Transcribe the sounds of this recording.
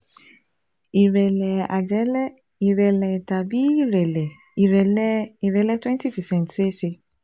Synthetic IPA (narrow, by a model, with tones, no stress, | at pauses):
i˨ɾɛ˨lɛ˨a˨d͡ʒɛ˨˦lɛ˦ | i˨ɾɛ˨lɛ˨ta˨bi˨˦i˦˨ɾɛ˨lɛ˨ | i˨ɾɛ˨li˨ɾɛ˨˦lɛ˦twɛ̃˦n˦ti˦˨fi˨sɛ̃˦˨n˨tse˦se˧